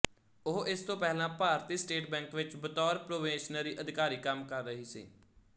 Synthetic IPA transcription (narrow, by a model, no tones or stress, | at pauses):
oɦʔɪst̪õːpɛːlãːpaːɾt̪iːsʈeːʈbɛ̃ːŋkʋɪt͡ʃbət̪ɔːɾpɾoːʋẽːʃnəɾiːʔəd̪ʱɪkaːɾiːkəmkəɾːəɦiːsḭː